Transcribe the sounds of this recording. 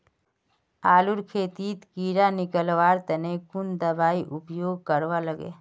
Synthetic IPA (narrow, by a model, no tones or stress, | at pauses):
aːluɾkʰeːt̪iːt̪kiːɾanɪkəlʋaːɾt̪ənekʊnd̪əbaːiʔʊpjoːɡ̚kəɾwaləɡḛː